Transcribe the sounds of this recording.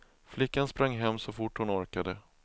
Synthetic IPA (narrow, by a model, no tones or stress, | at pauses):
flɪkːanspɾaŋːɦɛmːsɔfʊʈːhʊnɔɾkad̪ə